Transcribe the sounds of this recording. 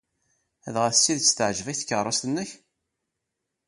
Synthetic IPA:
æðʁæθəsːiðt͡sːt̪əʕʒvæçθkːərˤːɑst̪ənːəç

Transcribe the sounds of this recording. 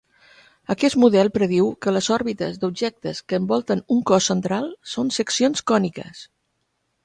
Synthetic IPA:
əkɛst̪muðɛlˠpɾəð̞iwkələzɔɾβit̪əzd̪ub̚ʒɛk̚t̪əskəːmbɔlˠt̪ənuŋkɔsːənt̪ɾalˠsonsəksionskɔnikə̰s

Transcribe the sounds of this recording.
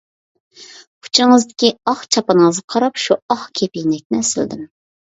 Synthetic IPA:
qʰu̥t͡ʃʰɪŋɨzd̪ɪkʲiɑχt͡ʃʰɑpɑnəŋəzɑqʰɑɾɑpʃuɑχkʲʰepijnɛk̚ʲnɪsɪld̪ɪm

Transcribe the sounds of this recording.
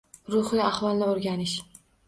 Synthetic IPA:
ɾʊhɪjaχvɒlˠnɪoɾɡʲanɪʃ

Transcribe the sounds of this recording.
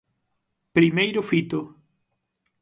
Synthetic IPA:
pɾimejɾʊfit̪ʊ

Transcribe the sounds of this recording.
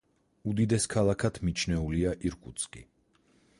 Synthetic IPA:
ud̪id̪ɛskʰalˠakʰat̪ʰmit͡ʃʰnɛuliaʔiɾkʼut̪sʼkʼḭ

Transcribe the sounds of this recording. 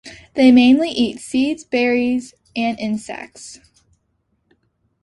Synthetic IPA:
ðeɪmẽɪ̃nliʔitsidzbɛɹiz | ɨ̃nɪ̃nsɛ̰k̚ts

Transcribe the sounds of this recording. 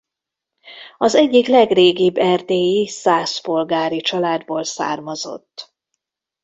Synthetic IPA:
ɒzɛɟːiklɛɡreːɡibːɛrt̪eːjisaːspo̞lɡaːɾit͡ʃɒlaːd̪boːlsa̰ːrmɒzo̞̰t̪ː

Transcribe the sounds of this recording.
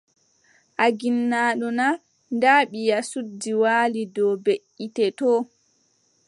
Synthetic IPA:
ʔaɡinːaːɗɔna | ndaːɓijasudːiwaːlidɔbeʔitɛtɔː

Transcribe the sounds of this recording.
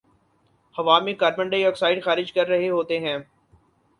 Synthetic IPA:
hɐʋaːmẽkaːɾmə̃ɳɖeiɔːksaːɪɖxaːɾɪd͡ʒkɐɾːɐɦeɦoːt̪eɦɛ̃ː

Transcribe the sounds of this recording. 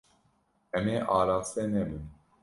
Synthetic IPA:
ɛmeːʔaːɾaːseːnɛbɨn

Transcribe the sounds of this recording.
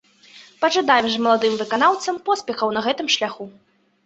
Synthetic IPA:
pɐʐad̪ajɛmʐmɐlˠad̪ɨmvɨkanawt̪sɐmpɔspʲɛxɐwnɐɣɛt̪ɨmʂlʲaxu

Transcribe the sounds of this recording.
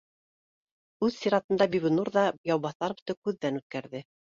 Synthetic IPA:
ʉðsʲiɾɑt̪ɤ̆nd̪ɑbiβnuɾðɑjɑwβɑθɑɾb̆t̪ɤkʉðːænʉt̪̚kæɾðɘ

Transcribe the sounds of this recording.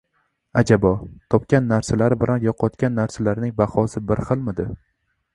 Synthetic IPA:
ad͡ʒabɒt̪ʰɒpkʲanːaɾsalaɾɪbɪlanjɒqʰɒt̪kʲanːaɾsalaɾnɪŋbahɒsɪbɪɾχɨlˠmɪd̪ɪ

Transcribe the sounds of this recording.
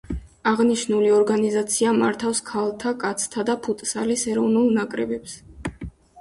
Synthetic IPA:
aʁniʃnuliɔɾɡanizat̪sʰiamaɾt̪ʰafskʰalˠt̪ʰakʼat̪sʰt̪ʰad̪apʰut̪ʼsalisɛɾɔvnulˠnakʼɾɛbɛps

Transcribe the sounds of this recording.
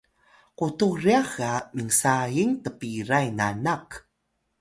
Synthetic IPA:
quturiaxamiŋsajiŋtəpiɾajna̰nak

